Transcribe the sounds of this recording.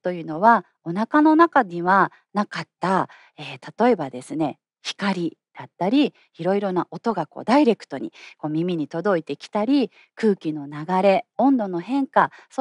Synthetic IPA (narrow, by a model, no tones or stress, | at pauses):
t̪o̞jɯ̟ːno̞βa | o̞nakano̞nakaɲiβa | nakat̪ːa | eːt̪at̪o̞e̞bad̪e̞sɨne̞ | çi̥kaɾʲid̪̥at̪ːaɾʲi | iɾo̞iɾo̞naʔo̞t̪o̞ɡako̰ːd̪aiɾe̞kɯ̟̥t̪o̞ɲ̟iko̞ːmʲimʲiɲ̟it̪o̞d̪o̞it̪e̞kʲi̥t̪aɾʲi | kɯ̟ːkʲino̞naɡaɾe̞õ̞nd̪o̞noɦẽ̞ŋkaso